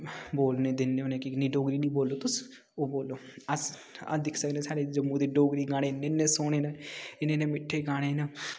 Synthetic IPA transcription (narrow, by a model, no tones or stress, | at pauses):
boːlneːd̪ɪnːeːonẽːkinĩːɖoːɡɾiːnĩːboːlːoːt̪ʊs | oːboːlːoːəs | d̪ɪkʰsəkd̪ẽːsaːɽed͡ʒəmːũːd̪eːɖoːɡɾiːɡaːñeːnːenːẽːsoːɽeːnãːɪnẽːnẽːmɪʈʰːeːɡaːɽ̃eːneː